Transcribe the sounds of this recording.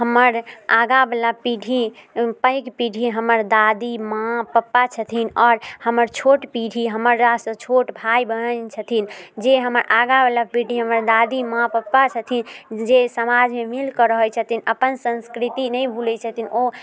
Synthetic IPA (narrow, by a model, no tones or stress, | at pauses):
ɦəməɾaɡabelapiɖʱipəjkpiɖʱiɦəməɾd̪ad̪imãpəpːat͡ʃʰət̪ʰinɔːɾhəməɾt͡ʃʰoʈpiɽʱiɦəməɾːasət͡ʃʰoʈbʱajbənənt͡ʃʰət̪ʰind͡ʒeɦəməɾaɡabəlapiɖ̤ʱiɦəməɾd̪ad̪imãpəpːat͡ʃʰət̪ʰind͡ʒesəmad͡ʒmemilkəɾəɦət͡ʃʰət̪ʰinəpənsə̃nskɾit̪inəjbʱulɛt͡ʃʰət̪ʰino